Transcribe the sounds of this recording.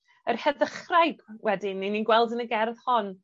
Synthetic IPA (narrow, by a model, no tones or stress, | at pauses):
ərhɛðəχrajɡwɛdɪnːininɡwɛlˠdənəɡɛrðhɔn